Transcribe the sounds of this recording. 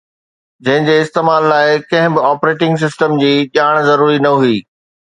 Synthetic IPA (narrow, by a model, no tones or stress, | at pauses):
d͡ʑɐ̃ɦɪ̃ɲd͡ʑeːɪst̪eːmaːlːaːɪkɐ̃ɦɪ̃bɪaːpɾeːʈɪ̃ŋɡs̬ɪsʈəmd͡ʑiːʄaːɽ̃zɐɾuːɾinɐɦuiː